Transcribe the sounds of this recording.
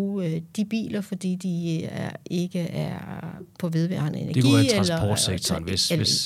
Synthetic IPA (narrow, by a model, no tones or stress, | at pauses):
d̥ib̥ḭːlɐfɒd̥ḭːd̥iæe̝ɡ̥əæɐpʰɒ̽ʋe̝ð̞ˠʋæ̰ɐnəe̝næɐdeɡiːʁlsɐpʰɒ̰ːd̥seɡ̥̚t͡sʰɐnesel